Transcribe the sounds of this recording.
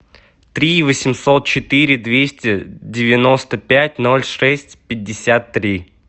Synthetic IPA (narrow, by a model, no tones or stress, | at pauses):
t̪ɾʲivəsʲɪmsot̪̚t͡ɕɪt̪ɨɾʲɪd̪vʲesʲtʲɪdʲɪvʲɪnost̪əpʲætʲno̞lʲʂɛsʲtʲpʲɪdʲːɪsʲat̪ːɾʲi